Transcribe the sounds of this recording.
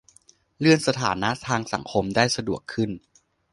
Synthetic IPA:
lɯ˥˩ənsa˧t̪ʰaː˩˦na˦˥ʔt̪ʰaː˧ŋsa̰˩˦ŋkʰo˧mdaː˥˩jsa˧du˨˩əkʰːɯ˥˩n

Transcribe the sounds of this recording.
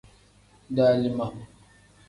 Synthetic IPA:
da˦li˦ma˨m

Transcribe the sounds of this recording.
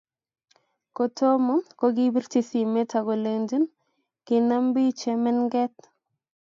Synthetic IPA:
ko˨tʰo˦mɔ˦ko˦ɡi˦bi˦rti˨si˨me˦tʰa˨ɡo˨le˨nd͡ʒu˦n | kɪ˨na˦mbi˦t͡ʃɛmɛ˦nɡɛ˦t

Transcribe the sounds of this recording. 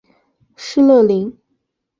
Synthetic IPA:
ʂɻ̩˥˧lɤ˥˩li˧˥ŋ

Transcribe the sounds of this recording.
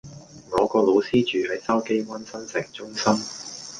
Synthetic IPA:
ŋɔː˨˧kɔː˧lo˨˧wsiː˥t͡ʃyː˨hɐ˨jsɐ˥wke˥jwɐ˥nsɐ˥nsɪ˨˩ŋt͡ʃʊ˥ŋsɐ˥m

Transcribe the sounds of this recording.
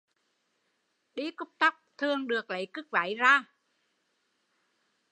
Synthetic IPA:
ɗi˨˦kʊ˦˥p̚t̪a˦˥p̚t̪ʰɨ˨˧əŋɗɨ˨˩ək̚lə˨˩˦jkɨ˦˥k̚va̰ː˨˦jzaː˧˩

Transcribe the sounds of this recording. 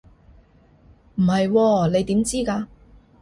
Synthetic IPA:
m̩˨˩hɐ˨jwɔː˧ne˨˧jt̪iː˨˥mt͡siː˥kaː˧

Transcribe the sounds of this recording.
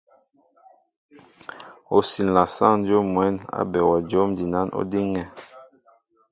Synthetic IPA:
o˨si˨n˨la˨sa̰˦ŋn˦d͡ʒo˦mːwɛ˨˦na̰˦bɛ˨wɔ˨d͡ʒo˦mdi˨na˨˦nʔo̰˦di˦ŋɛ˦

